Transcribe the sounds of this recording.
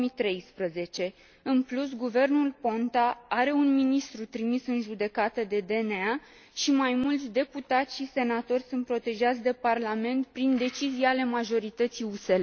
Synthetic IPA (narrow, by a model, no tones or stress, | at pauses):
mit̪ɾe̞jspɾəze̞t͡ʃe̞ | ɨnplus̬ɡuve̞rnulpo̞nt̪aaɾe̞unminist̪ɾut̪ɾimisɨnʒud̪e̞kat̪əd̪e̞d̪e̞nea | ʃimajmult̪sʲd̪e̞put̪at̪sʲʃise̞nat̪o̞rʲsunt̪̚pɾo̞t̪e̞ʒat̪sʲd̪e̞parlame̞nt̪̚pɾind̪e̞t͡ʃiziale̞maʒo̞ɾit̪ət̪siusel